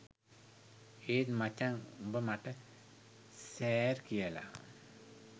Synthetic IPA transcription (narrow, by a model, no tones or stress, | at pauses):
eːt̪mat͡ʃːaŋumbəmaʈə | sɛːrkijəla̰